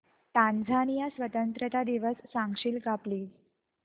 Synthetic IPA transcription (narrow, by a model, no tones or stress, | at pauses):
t̪ãnd͡zʱanijasʋət̪ənt̪ɾət̪ad̪iʋəsːãŋɡʂiːlkapliː